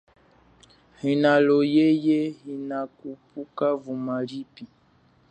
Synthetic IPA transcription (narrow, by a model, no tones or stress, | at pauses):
hinalojejeɦinakupukavumalipi